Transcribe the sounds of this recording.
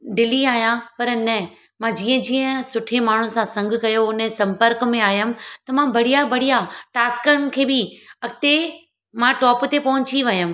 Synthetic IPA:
ɖɪliaːɦijãpɐɾnɐ | mãd͡ʑiːə̃d͡ʑiːə̃sʊʈʰemaːɳ̤ũsãsɐ̃ŋɡʱʊ̆kɐjoʊnəsɐ̃mpəɾkmẽaːjəmɪ̆t̪ɐmãbɐɽ̤ijabɐɽijaʈaːskəɾn̆kʰeːbɪɐkt̪e | mãʈɔːpt̪epɐɦʊ̃ɲt͡ɕiʋɐjəm̆

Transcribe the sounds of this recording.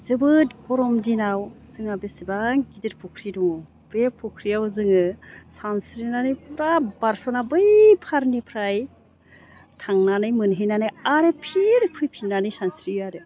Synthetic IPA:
z̥ɯbɯtkɔɾɔmdinawsɯŋabesibaŋɡidiɾpʰɔkʰɾidɔŋɔ | b̥epʰɔkʰɾijawzɯŋɯsansɾinanɯjpɾabaɾsɔnabɯjpʰaɾnipʰɾaj | tʰaŋnanɯjmɯnɦɯjnanɯjaɾepʰiɾpʰɯjpʰinanɯjsansɾiaɾɯ

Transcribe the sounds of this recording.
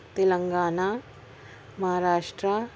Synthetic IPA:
t̪elɐŋɡaːnaː | mɐɦaːɾaːʂʈɾa

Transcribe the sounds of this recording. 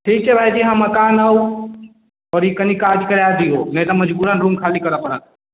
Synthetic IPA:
ʈʰiːk̚t͡ʃʰebʱaːjd͡ʒiɦãmɐkaːnaːu | ɔːɾiːkɐnikaːɾd͡ʒkəɾjaːd̪iɦoːmẽt̪ɐmɐd͡ʒbuːɾanɾuːmkʰaːnikɐɾapəɽan

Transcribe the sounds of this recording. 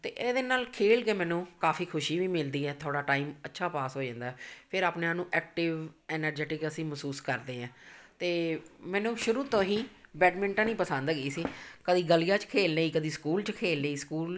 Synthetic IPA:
t̪eːʔed̪eːnaːlkʰeːlkeːmɛ̃ːnũːkaːfiːkʰʊʃiːʋiːmɪld̪iːɛːt̪ʰʊaːɽaːʈaːiːmətːʃʰaːpaːsɦoːd͡ʒãːnd̪aːɦɛpʰɪɾaːpnẽːanũːʔɛːk̚ʈɪʋɛːnəɾd͡ʒɛːʈɪkəsĩːməsuːskəɾd̪eːɦɛ̃ːt̪eːmɛ̃ːnũːʃʊɾuːt̪õːɦiːbɛːʈmɪ̃ɳʈãːnĩːpəsə̃ːnd̪ɡəiːsiːkəd̪iːɡəlijaːt͡ʃkʰeːlnẽːiːkəd̪iːskuːlt͡ʃkʰeːlneiːskuːl

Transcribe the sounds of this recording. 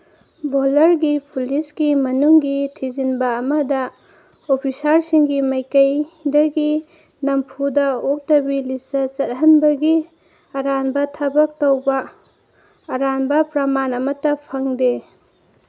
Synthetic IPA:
bolɐɾɡipulisɡimɐnuŋɡitʰizinbɐːmɐdɐ | opʰisaɾsiŋɡimɐjkɐjdɐɡi | nɐmpʰudɐok̚tɐbilisɐt͡ʃɐt̚ɦɐnbɐɡi | ɐɾanbɐtʰɐbɐk̚towbɐː | ɾanbɐpɾɐmanɐmɐtɐpʰɐŋde

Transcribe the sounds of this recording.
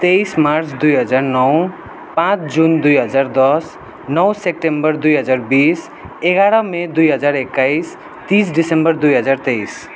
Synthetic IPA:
t̪ejsmart͡sd̪ujɦʌd͡zarnʌw | pãt͡sʰd͡zund̪ujɦʌd͡zard̪ʌs | nʌwsep̚ʈembʌrd̪ujɦʌd͡zarbis | eɡaɽʌmed̪ujɦʌd͡zaɾekːajs | t̪ĩsɖisembʌrd̪ujɦʌd͡zart̪ejs

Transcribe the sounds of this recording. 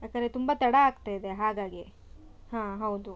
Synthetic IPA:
jaːkɐnd̪ɾet̪umbat̪ɐɽɐaːɡt̪aid̪e̞ɦaːɡaːɡi | hãːɦɐwd̪u

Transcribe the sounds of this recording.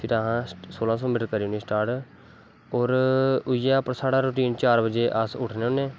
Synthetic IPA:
pʰɪɾəɦãːsoːlãːsõːmɪʈəɾkəɾiːniːsʈaːɾʈ | oːɾʊijaːpəsaːɽaːɾoːʈ̬iːnt͡ʃaːɾbəd͡ʒeːʔəsʊʈʰneːɦʊ̃nẽː

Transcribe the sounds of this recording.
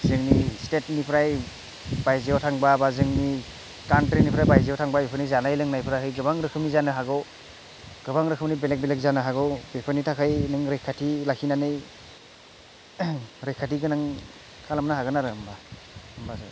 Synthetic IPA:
zɯŋnistet̚nipʰɾaj | bajzeɔtʰaŋbabazɯŋni | kawntɾinipʰɾajbajziɔwtʰaŋbabepʰɯɾnizanajlɯŋnajpʰɾaɦɯjɡɯbaŋɾɯkʰɯmnizanɯɦaɡɔ | ɡ̥ɯbaŋɾɯkʰɯmnibelek̚belek̚zanɯɦaɡɔbepʰɯɾnitʰakʰajnɯŋɾekʰːatʰilakʰinanɯj | ɾekʰat̬iɡɯnɯŋ | kʰalamnaɦaɡɯnaɾɯɯmba | mbas

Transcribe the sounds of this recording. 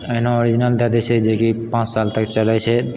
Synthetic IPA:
ɛnooɾid͡ʑinald̪ad̪eʃʰed͡ʑekipãt͡ɕsalt̪aket͡ɕɔlajt͡ɕʰe

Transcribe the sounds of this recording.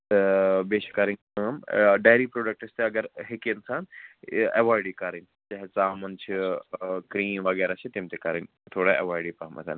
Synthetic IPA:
t̪əbeːɕkaɾin | əːmɖajɾiːpɾoːɖɐk̚ʈɐst̪eɐɡɐɾɦekːnsaːneʋaːjɖiːkaɾin | t͡ʃaɦɛt͡saːmɐnt͡ʃʰikɾiːnʋɐɡɛɾaset̪emt̪ekaɾin | t̪ʰoːɽaḛʋaːɾɖiːpɐɦmɐ̰t̪a̰n

